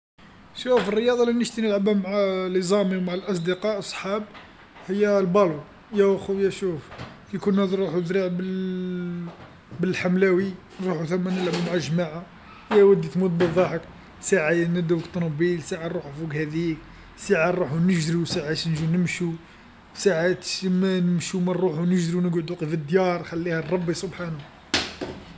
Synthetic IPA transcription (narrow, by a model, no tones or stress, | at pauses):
ʃufərːəjɑd̪ˤɑlinəʃt̪inəlʕabæmaʕalizˤɑmiwmaʕalʔɑs̬ˤd̪əqɑʔsˤħɑb | həjːælbɑlu | jæxujæʃuf | kunhæd̪ɾˤuħud̪ɾiʕbəl | bəlħamlæwi | nɾˤuħuθæmːænəlʕabumʕaʒmaʕa | jæwæd̪ːit̪mud̪̚bəðˤːɑħək | saʕajænəd̪uwkt̪nɑbilsaʕanˤuħfukhæd̪ik | saʕanˤuħunəʒɾiwsaʕaʃnʒunəmʃu | saʕat̪ʃmænəmʃumænɾuħunəʒɾinəɡʕʊd̪uqifəd̪jɑɾˤxælːihærˤːɑbːisˤobħan